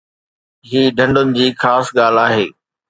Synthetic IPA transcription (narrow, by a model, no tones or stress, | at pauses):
ɦiːɖʱɐ̃ɳɖʊnɪ̆d͡ʑiːxaːsɠaːl̤aːɦeː